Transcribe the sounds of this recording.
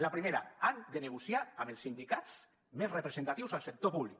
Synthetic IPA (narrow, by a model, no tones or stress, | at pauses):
lapɾimeɾaand̪eneɣusjaamelˠsːind̪ikat̪s | mezrepɾezent̪at̪iwzalˠsek̚t̪opuβlik